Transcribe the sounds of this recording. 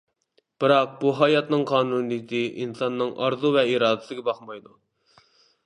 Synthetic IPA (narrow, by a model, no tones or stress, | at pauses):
b̥ɨɾɑq̚buɦɑjɑt̪nɨŋqʰɑːnunijɪt̪ʰɨʔinsɑnːɨŋʔɑɾzuvɛiɾɑːd̪ɪsɪɡʲɛbɑχmɑjd̪u